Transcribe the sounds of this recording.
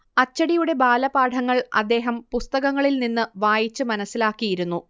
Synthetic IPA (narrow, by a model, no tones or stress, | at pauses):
ɐt͡ɕːɐɽijuɽe̞baːlɐbaːʈʰɐŋːɐɭɐ̰d̪ːe̞ːɦɐmpust̪ɐɣɐŋːɐɭilninːɨʋaːjit͡ɕːɨmɐnɐsːilaːkːijiɾunːu